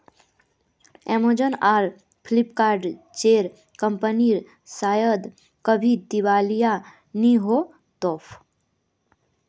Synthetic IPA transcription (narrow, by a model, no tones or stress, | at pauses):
ɛmod͡ʒənaːɾ | pʰlipkaːɾɖ | t͡ʃeːɾ | kəmpəniɾ | saːjəd̪ | kəbʱid̪iʋaːlija | niɦo | t̪oːpʰ